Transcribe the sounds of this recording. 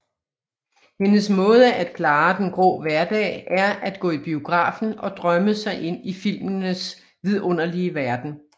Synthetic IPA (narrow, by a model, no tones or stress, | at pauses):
he̝nəsmɔ̽ːð̞ˠəʔæd̥kʰlɑ̈ːd̥enɡ̥ʁɔ̰ːʋæɐd̥ɛ̰ːɪʔæɐæd̥ɡ̥ɔ̰̽ːib̥io̝ɡ̥ʁɑ̰̈ːfn̩ɒ̽d̥ʁɶməsɑ̈ɪʔe̝n̰ifil̰mənəs | ʋið̞ˠɔ̽n̰ɐliəʋæɐd̥n̩